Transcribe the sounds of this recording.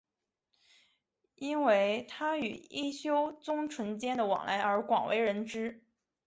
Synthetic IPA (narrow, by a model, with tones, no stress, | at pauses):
i˥nwe˥ɪt̪ʰa˥y̰˨˩i˥˩ɕjo˥ʊt͡sʊ˥ŋʈ͡ʂʰwə˧˥nt͡ɕjɛ˥nd̪ə˨wɑ̰˨˩ŋla˧˥ɪə˞˧˥kwɑ̰˨˩ŋwʔḛ˧˥ɪɻə˧˥nʈ͡ʂɻ̩˥